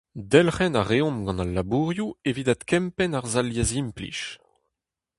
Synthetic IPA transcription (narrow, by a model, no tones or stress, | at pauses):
d̪ɛlχɛnaʁeɔ̃mɡɑ̃nalːabuʁjuevid̪at̪kʰɛ̃mpɛnaʁzaljazimplḭʃ